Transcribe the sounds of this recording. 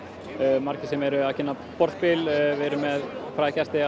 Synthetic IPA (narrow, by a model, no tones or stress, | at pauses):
maɾ̥cɪsɛmɛɾʏaðcʰɪnːa | pɔɾ̥t̪̚pɪlvɪɾʏmːɛðfɾaːcɛst̪ɪ